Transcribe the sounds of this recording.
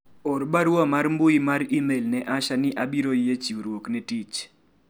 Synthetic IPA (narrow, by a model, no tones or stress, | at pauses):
oɾbaɾwɔmarmbʊimaɾimelnɛʔaʃanɪʔabiɾojet͡ʃiuɾwoknɛtit͡ʃ